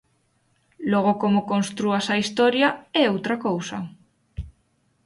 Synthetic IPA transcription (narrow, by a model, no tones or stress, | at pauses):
lɔɣ̞okomokonst̪ɾuasɐist̪ɔɾjaɛowt̪ɾakowsɐ